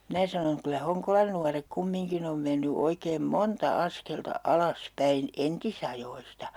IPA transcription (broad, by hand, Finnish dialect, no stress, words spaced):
minæ sɑnoŋ kylæ hoŋkolɑn nuɑrek kumːiŋkin om menːy oikeːm montɑ ɑskeltɑ ɑlɑs pæin entisɑjoistɑ